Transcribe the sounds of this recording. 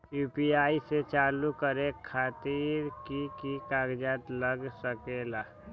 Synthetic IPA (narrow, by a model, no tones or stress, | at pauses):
juːpiaːiset͡ʃaːlukəɾekʰaːt̪iːɾkikikaːɡd͡ʒaːt̪ləɡsəkeːlaː